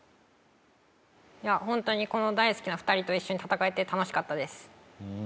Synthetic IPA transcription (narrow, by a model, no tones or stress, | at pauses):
jahõnt̪o̞ɲ̟iko̞no̞d̪aisɨ̥kʲinaɸɯ̟t̪aɾʲit̪o̞iɕːo̞ɲ̟it̪at̪akae̞t̪e̞t̪ano̞ɕi̥kat̪ːad̪e̞sɨ̥